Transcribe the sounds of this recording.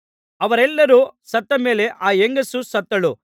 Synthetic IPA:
ɐʋɐɾɛlːɐɾusɐt̪ːɐme̞ːle̞ʔaːjeŋɡɐsusɐt̪ːɐɭu

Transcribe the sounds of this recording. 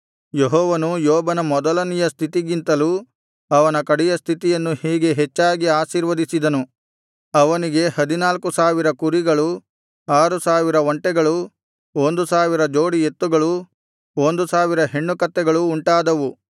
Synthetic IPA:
jeɦɔːʋɐnujɔːbɐnɐmɔd̪ɐlɐnijɐst̪ʰit̪iɡint̪ɐlu | ɐʋɐnɐkɐɽijɐst̪ʰit̪ijɐnːuhiːɡe̞ɦet͡ʃːaːɡiaːʃiːɾʋɐd̪isid̪ɐnu | ɐʋɐniɡe̞hɐd̪inaːlkusaːʋiɾɐkuɾiɡɐɭu | aːɾusaːʋiɾɐoɳʈɛɡɐɭu | ond̪usaːʋiɾɐd͡ʒo̞ːɽiet̪ːuɡɐɭu | o̞nd̪usaːʋiɾɐɦe̞ɳːukɐt̪ːɛɡɐɭuːɳʈaːd̪ɐʋu

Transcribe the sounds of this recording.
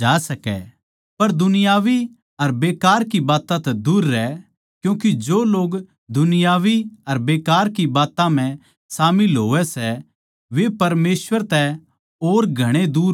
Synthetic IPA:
aːsɐkɛ̰ | pɐɾd̪ʊnɪjaːʋi | ɐɾbeːkaːɾkibaːt̪ãt̪ɛd̪uːɾːɛ | kjũːkid͡ʒoːloːɡ | d̪ʊnɪjaːʋiɐɾbeːkaːɾkibaːt̪ãm̤ɛ̃ | saːmɪlɦoːʋɛsɛ | ʋepɐɾmeːsʋəɾt̪ɛ | oːɾɡʱɐɽ̃ed̪uːɾ

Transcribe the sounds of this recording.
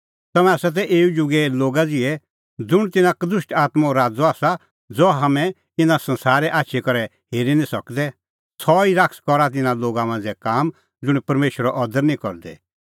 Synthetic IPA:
t̪ɐmɛ̃aːsat̪̬ɛʔeːud͡ʒʊɡɛloːɡad͡zɪɛ | d͡zʊɽ̃t̪ɪnãkd̪ʊʃʈaːt̪maoɾaːd͡zɔaːsa | d͡zɔɦɐmɛ̃ | ɪnãsɐ̃nsaːɾɛʔaːtːʃʰɛkɔɾɛ | heːɾinĩsɐkd̪ɛ | sʰɔiɾakskɔɾat̪̬ɪnãloːɡamãːnd͡zɛkaːm | d͡zʊɽ̃ipɐɾmeːʃəɾɔʔɔd̪əɾnĩkɔɾd̪ɛ̰

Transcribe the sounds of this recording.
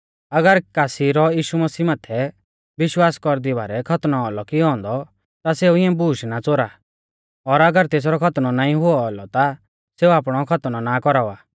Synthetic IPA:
ɐɡəɾkaːsiɾɔjiːʃumɐsiːmaːt̪ʰɛ | ʋɪʃwaːskɔɾd̪ibaːɾɛkʰɐt̪nɔɔlɔkiɦɔ̃ːnd̪ɔ | t̪aseːuɪãbuːʃnat͡soɾa | ɔɾɐɡəɾt̪eːs̬ɾɔkʰɐt̪nɔnaːĩɦʊɔɔlɔt̪a | seːuaːpɽ̃ɔkʰɐt̪nɔnakɔɾaʋaː

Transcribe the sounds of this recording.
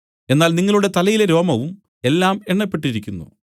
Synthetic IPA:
e̞nːaːlniŋːɐɭuɽe̞t̪ɐlɐjileɾo̞ːmɐʋum | e̞lːaːmeɳːɐpːe̞ʈːiɾikʲːunːṵ

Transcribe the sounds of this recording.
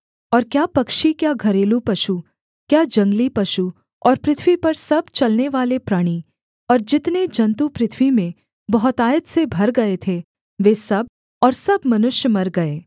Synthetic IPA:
ɔːɾkjaːpɐkʃikjaɡʱɐɾeːlupɐʃu | kjaːd͡ʒɐ̃ŋɡlipɐʃu | ɔːɾpɾɪt̪ʰʋipɐɾsɐb̚t͡ʃɐlneʋaːlepɾaːɽ̃i | ɔːɾd͡ʒɪt̪ned͡ʒɐ̃nt̪upɾɪt̪ʰʋimẽ | bɐɦʊt̪aːjət̪sebʱɐɾɡɐet̪ʰe | ʋeːsɐb̚ | ɔːɾsɐbmɐnʊʃjəmɐɾɡɐeː

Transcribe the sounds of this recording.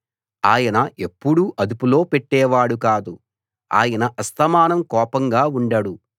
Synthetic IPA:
aːjɐnɐʔe̞pːuɽuʔɐd̪upulo̞ːpeʈːɛːʋaːɽukaːd̪u | a̰ːjɐnɐʔɐst̪ɐmaːnɐmkɔːpɐŋɡaːuɳɖɐɽu

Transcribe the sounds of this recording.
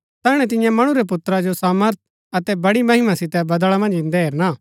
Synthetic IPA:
t̪ɛːɽ̃ɛt̪ɪ̃jãmɐɽ̃uɾɛp̬ʊt̪ɾad͡ʒosaːməɾt̪̚ʰ | ɐt̪ɛbɐɽimɐɦɪmasɪt̪ɛbɐd̪ɭamɐ̃nd͡ʒɪ̃nd̪ɛɦeːɾnaː

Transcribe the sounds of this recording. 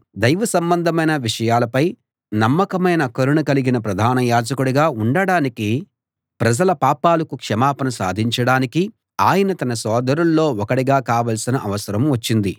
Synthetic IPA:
d̪ɐjʋɐsɐmbɐnd̪ʱɐmɐjnɐʋiʂɐjaːlɐpɐj | nɐmːɐkɐmɐjnɐkɐɾuɳukɐliɡinɐpɾɐd̪ʱaːnɐjaːd͡ʒɐkuɽuɡaːuɳɖɐɽaːniki | pɾɐd͡ʒɐlɐpaːpaːlɐkukʂɐmaːpɐnɐsa̰ːd̪ʱiɲt͡ʃɐɽaːniki | aːjɐnɐt̪ɐnɐsɔːd̪ɐɾulːo̞ːɔkɐɽiɡaːkaːʋɐlsinɐʔɐʋɐsɐɾɐmʋɐt͡ʃːind̪i

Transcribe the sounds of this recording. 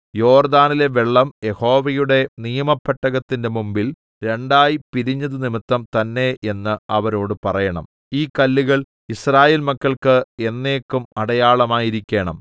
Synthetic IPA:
jo̞ːrd̪aːnile̞ʋeɭːɐmje̞ho̞ːʋɐjuɽe̞nijɐmɐpʰːɐʈːɐɣɐt̪ːinde̞mumbil | ɾe̞ɳɖaːjipiɾiɲːɐðɨnimit̪ːɐmt̪ɐnːe̞ʔe̞nːɨɐʋɐɾo̞ːɽɨpɐrɐjɐɳɐ̰m | iːkɐlːiɣɐɭ | israːjeːlmɐkːɐɭkɨe̞nːe̞ːkːumɐɽɐjaːɭɐmaːjiɾikʲːe̞ːɳɐm

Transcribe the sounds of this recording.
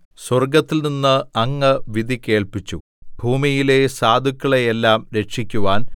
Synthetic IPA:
swɐrɡɐt̪ːilninːɨɐŋːɨʋid̪ʱike̞ːɭpit͡ɕːṵ | bʱuːmijile̞saːd̪ʱukʲːɐɭejelːaːmɾe̞ʈʂikʲːuʋaːn

